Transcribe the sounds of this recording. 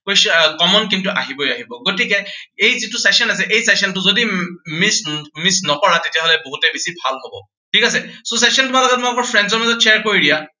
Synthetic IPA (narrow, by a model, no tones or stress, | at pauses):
kojskɔmɔnkintuʔa̰ɦibojaɦibɔɡotikɛejzitʊsɛksɔnasɛʔejsɛksɔntʊzodimismisnɔkɔɹatetijaɦolɛboɦutɛbisibʱalɦobɔ̰ | tʰikasɛsosɛsɔntʊmalɔɡɔt̚makɔɹpʰɹɛnzɔɹmazɔt̚t͡ʃʰeɛɹkoɹidija